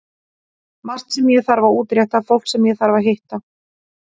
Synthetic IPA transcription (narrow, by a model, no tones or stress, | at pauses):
mar̥st̪sɛmjɛɣθaɾvauːt̪ɾjaht̪afowl̥ksɛmjɛɣθaɾvaɦejht̪a